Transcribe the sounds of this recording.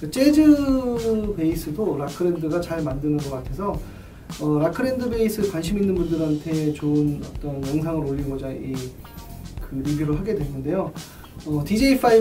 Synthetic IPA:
kɯt͡ɕ͈e̞d͡ʑɯ | be̞is͈ɯdoɾakʰɯɾe̞ndɯɡat͡ɕaɭmandɯnɯnɡʌk͈atʰe̞sʰʌ | ʌɾakʰɯɾe̞ndɯbe̞is͈ʰɯɭkwanɕʰiminːɯnbundɯɾɦantʰe̞t͡ɕoɯnʌ̰t͈ʌnjʌŋsʰaŋɯɾoʎːiɡod͡ʑai | kɯibiɾoɭɦaɡe̞dwe̞nːɯnde̞jo | ʌtid͡ʑe̞ipʰai

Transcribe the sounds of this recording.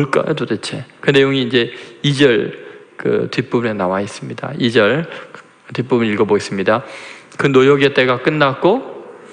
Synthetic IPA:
oɭk͈a̰jtot͈et͡ɕʰekɯne̞joŋiːnd͡ʑe̞id͡ʑʌɭkɯ̰tip͈ubnenawais͈ɯmɲida̰id͡ʑʌɭ | tip͈umɯniɭɡʌbois͈ɯmɲidakɯnojoɡet͈e̞ɡak͈ɯnːak͈o

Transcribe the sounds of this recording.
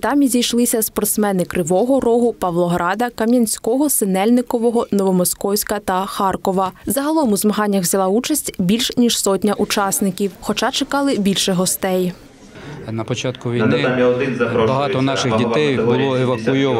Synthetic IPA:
t̪ɑmjizʲijʃlˠɪsʲɐspɔrt̪smɛnɪkɾɪʋɔɦɔrɔɦʊpɐʋlˠɔɦɾɑd̪ɐkɐmʲjɐnʲsʲkɔɦɔsenɛlʲnɪkɔʋɔɦɔnɔʋɔmɔskɔwsʲkɐt̪ɐxɑrkɔʋɐzɐɦɐlˠɔmʊzmɐɦɑnʲːɐɣʋzʲɐlˠɑut͡ʃɐsʲtʲbʲilʲʃnʲiʃsɔtʲnʲɐʔut͡ʃɑsnɪkʲiwxɔt͡ʃɑt͡ʃekɑlˠɪbʲilʲʃɛɦɔst̪ɛj | nɐpɔt͡ʃɑt̪kʊʋʲinɪ | bɐɦɑt̪ɔnɑʃɪɣdʲit̪ɛjjbʊlˠɔeʋɐkʊjɔʋ

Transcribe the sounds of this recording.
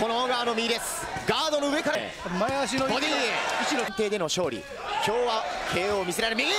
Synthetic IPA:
konooɡaːno̞mʲiɾesɨ̥ | ɡaːd̪o̞noɯ̟e̞kaɾa | maeaɕ̬inood̪eeɯt͡ɕinont̪e̞ːd̪e̞no̞ɕo̞ːɾʲḭ | kʲo̞ːβakʰe̞ːomʲis̬eɾaɾɯmʲiɡi

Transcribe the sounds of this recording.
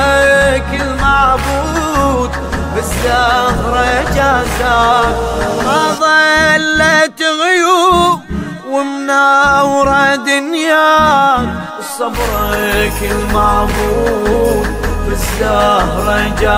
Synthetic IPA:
kɪlmaʕbu | d̪ | bɪzːahɾˤɑd͡ʒaːza | hɑðˤɑlːet̪ɣʊju | wɪmnawɾˤɑd̪ʊnja | ɨsˤːɑbɾˤekɪlmaʕbuːd̪bɪzːaɾˤɑd͡ʒa

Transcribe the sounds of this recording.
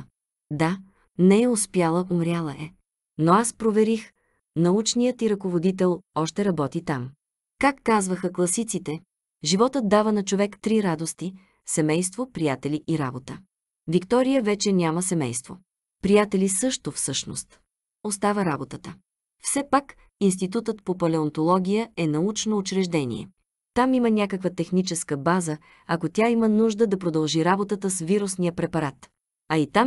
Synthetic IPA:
d̪a | nɛɛʊspjalˠəʔumɾʲjalˠɐʔɛ | noaspɾovɛɾix | nɐut͡ʃnijət̪iɾɐkovod̪it̪̬ɛlˠɔʃt̪ɛɾɐbɔt̪it̪am | kakːazvəxəklˠɐsit̪sit̪ɛ | ʒivɔt̪ət̪̚d̪avənɐt͡ʃovɛkt̪ɾiɾad̪ost̪i | sɛmɛjst̪vopɾijat̪ɛliʔiɾabot̪ə | vikt̪ɔɾijəvɛt͡ʃɛnʲaməsɛmɛjst̪vo | pɾijat̪ɛlisɤʃt̪ofsɤʃno̰st̪ | ost̪avəɾabot̪ət̪ə | fsɛpak | inst̪it̪ut̪ət̪̚popɐlɛont̪olˠɔɡʲijəɛnɐut͡ʃnoːt͡ʃɾɛʒd̪ɛnḭɛ̰ | t̪amimənʲakəkvət̪ɛxnit͡ʃɛskəbazə | ɐkot̪ʲaimənuʒd̪əd̪ɐpɾod̪ɐlˠʒiɾabot̪ət̪əsviɾusnijəpɾɛpɐɾat̪ | ɐit̪am

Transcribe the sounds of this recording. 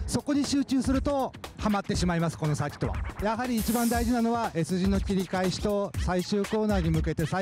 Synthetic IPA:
so̞ko̞ɲ̟iɕɨːt͡ɕɨːsɨɾɯ̟t̪o̞hamat̪ːe̞ɕimaimasɨ̥ko̞no̞sakʲi̥t̪o̞βa̰jaɦaɾʲiːt͡ɕibãnd̪aiʑinano̞βaʔe̞sɨʑino̞kʲiɾʲikaiɕi̥t̪o̞saiɕɨːko̞ːnaːɲ̟imɯ̟ke̞t̪e̞sa

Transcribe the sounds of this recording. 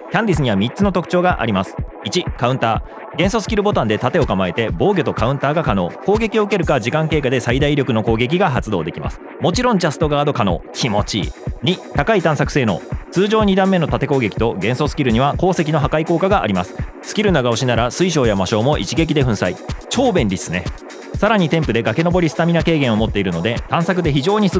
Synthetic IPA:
kʲãndʲisɨɲ̟iβamʲitt͡sɨno̞t̪o̞kɯ̟̥t͡ɕo̞ːɡaʔa̰ɾʲimasɨ̥ | it͡ɕikaɯ̟nt̪aː | ɡẽ̞ɰ̃so̞sɨ̥kʲiɾɯ̟bo̞t̪ãnd̪e̞t̪at̪e̞o̞kamae̞t̪e̞bo̞ːɡʲo̞t̪o̞kaɯ̟̃nt̪aːɡakano̞̰ːko̞ːɡe̞kʲio̞ɯ̟ke̞ɾɯ̟kad͡ʑikãŋke̞ːkad̪e̞said̪aiɾʲo̞kɯ̟no̞ko̞ːɡe̞k̬ʲiɡaɦat͡sɨd̪o̞ːd̪e̞kʲima̰sɨ̥ | mo̞t͡ɕiɾõ̞ɲ̟d͡ʑasɨ̥t̪o̞ɡaːd̪o̞kano̞̰ːkʲʰimo̞t͡ɕḭɲ̟it̪akait̪ãɰ̃sakɯ̟̥se̞ːno̞̰ːt͡sɨːʑo̞ːɲ̟id̪ãmːe̞no̞t̪at̪e̞ko̞ːɡe̞kʲi̥t̪o̞ɡẽ̞ɰ̃so̞sɨ̥kʲiɾɯ̟ɲ̟iβako̞ːse̞kʲino̞ɦakaiko̞ːkaɡaʔːɾʲimasɨ̥sɨ̥kʲiɾɯ̟naɡaoɕinaɾasɨiɕ̬o̞ːjamaɕo̞ːmo̞ʔḭt͡ɕiɡe̞k̬ʲid̪e̞ɸɯ̟̃ɰ̃sait͡ɕo̞ːbẽ̞nɾʲisɨne̞ | saɾaɲ̟it̪e̞mpɯ̟d̪e̞ɡake̞no̞bo̞ɾʲisɨ̥t̪amʲinake̞ːɡẽɰ̃o̞mo̞t̪ːe̞iɾɯ̟no̞d̪e̞t̪ãɰ̃sakɯ̟d̪e̞çiʑo̞ːɲ̟isɨ

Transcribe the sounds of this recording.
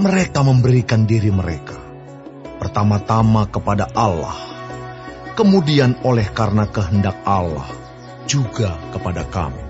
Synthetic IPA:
məɾekaməmbəɾikandiɾiməɾeka | pərt̪amat̪amakəpadaʔala̰h | kəmudianolɛhkarənakəɦəndak̚ala̰h | d͡ʒuɡakəpadaka̰mu

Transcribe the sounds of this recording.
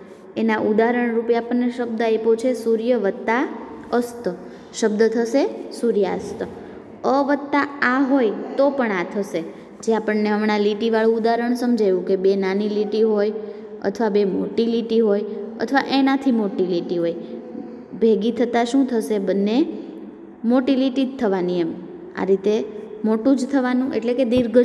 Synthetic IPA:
enaʔud̪aɾəɳɾupjaːpəɳːeʃəb̚d̪aepot͡ʃʰesuɾjəʋət̪ːa | əst̪ə | ʃəb̚d̪ət̪ʰəʃesuɾjaəst̪ə | əʋət̪ːaaɦojt̪opəɳat̪ʰəʃe | d͡ʒeapəɳːeəmnaliʈiʋaɭũud̪aɾəɳsəmd͡ʒajʋũkebenaniliʈiɦoj | ə̰t̪ʰəʋabemoʈiliʈiɦojə̰t̪ʰəʋaʔenat̪ʰimoʈiliʈiɦoj | bʱeɡit̪ʰət̪aʃũt̪ʰəʃebənːe | moʈiliʈit̪ʰːəʋaniɛm | a̰ɾit̪emoʈũd͡ʒt̪ʰəʋanũʔḛʈleked̪iɾɡʱə

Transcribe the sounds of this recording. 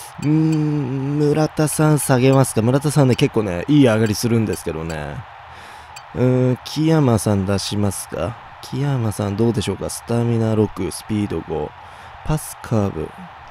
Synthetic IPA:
ɯ̟̃ | mɯ̟ɾat̪asãɰ̃saɡe̞masɨ̥kamɯ̟ɾat̪asãnːe̞ke̞kːoːne̞̰ʔiːaɡaɾʲisɨɾɯ̟̃nd̪e̞sɨ̥ke̞d̪o̞ne̞̰ | ɯ̟̃ːkʲʰijamasãnd̪aɕimasɨ̥ka̰ | kʲʰijamasãnd̪o̞ːd̪e̞ɕo̞ːkasɨ̥t̪amʲinaɾo̞kɯ̟sɨ̥pʲiːd̪o̞̰ɡo̞̰ | pasɨ̥kʰaːbɯ̟̰

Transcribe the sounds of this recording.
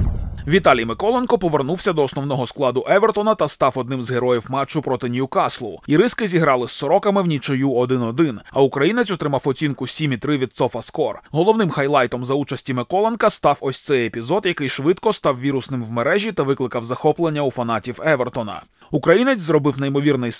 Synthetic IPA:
ʋʲit̪alʲijmɪkɔlˠenkɔpɔʋe̞rnuwsʲɐd̪ɔːsnɔwn̪ɔɦɔsklˠɑd̪ʊʔɛʋert̪ɔnɐt̪ɐst̪ɑfɔd̪̚nɪmzɦeɾɔjiwmɑt͡ʃːʊpɾɔt̪ɪnʲijukɑslˠʊ̰iɾɪskɪzʲiɦɾɑlˠɪsːɔɾɔkɐmɪwnʲit͡ʃɔjuɔd̪ɪnɔd̪ɪnɐukɾɐjinet͡sʲɔt̪ɾɪmɑwɔt͡sʲinkʊsʲimʲit̪ɾɪʋʲid̪̚t̪sɔfɐskɔrɦɔlˠɔwnɪmxɐjlˠɑjt̪ɔmzɐut͡ʃɐsʲtʲimɪkɔlˠenkɐst̪ɑwɔsʲt̪sɛjepʲizɔd̪jɐkɪjʃʋɪt̪kɔst̪ɑwʋʲiɾʊsnɪmwmeɾɛʒʲit̪ɐʋɪklˠɪkɐwzɐxɔplˠenʲːɐufɐnɑtʲiwɛʋert̪ɔnɐ̰ | ukɾɐjinet͡sʲzrɔbɪwnɐjimɔʋʲirnɪj

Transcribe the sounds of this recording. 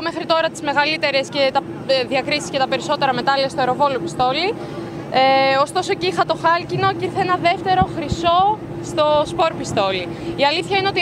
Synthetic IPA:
omexɾit̪o̞ɾɐt̪i̥zme̞ɣɐlit̪e̞ɾe̞sce̞t̪ɐ | ðiɐkɾisi̥sce̞t̪ɐpe̞ɾiso̞t̪e̞ɾɐme̞t̪ɐliɐst̪oeɾo̞vo̞lopist̪o̞li | eo̞st̪o̞so̞ceixɐt̪o̞xɐlcino̞ciɾθeenɐðe̞ft̪e̞ɾo̞xɾiso̞ | st̪o̞spo̞ɾpist̪o̞li | iɐliθçɐineo̞t̪i

